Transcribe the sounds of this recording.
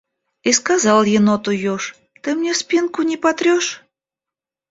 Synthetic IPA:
iskazɑlˠjɪnot̪ujoʂ | t̪ɨmnʲespʲinkʊnʲipat̪ɾʲoʃ

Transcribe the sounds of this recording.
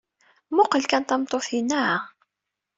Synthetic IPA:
mʊqəlkænt̪æmt̪ˤːoθinːaʕa

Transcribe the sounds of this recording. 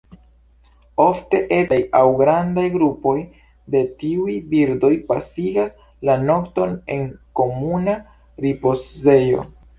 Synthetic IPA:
o̞fte̞ʔe̞tajawɡɾandajɡɾupo̞j | de̞tiujbiɾdo̞jpasiɡas | lano̞kto̞ne̞̰ŋko̞muna | ɾipo̞sze̞jo̞̰

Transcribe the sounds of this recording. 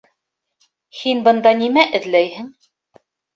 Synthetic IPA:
hinbɤ̆nd̪ɑnimæʔɘ̆ðlæjhɘŋ

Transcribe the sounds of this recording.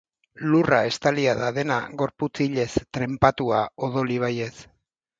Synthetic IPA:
lurae̞st̪aliaðaðe̞naɣo̞ɾput͡siʎe̞st̪ɾe̞mpat̪uao̞ð̞o̞liβ̞aje̞s

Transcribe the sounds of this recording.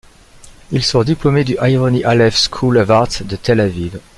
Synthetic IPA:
ilsɔ̃ʁd̪iplɔmed̪yʔaiʁɔniʔalɛfskʰulɔvaʁt̪d̪ət̪elaviv

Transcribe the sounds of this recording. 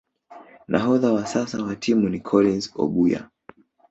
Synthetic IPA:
nʔa̰ɦɔðawasasawatʰimunikʰɔlinzɔ̰ɓuja̰

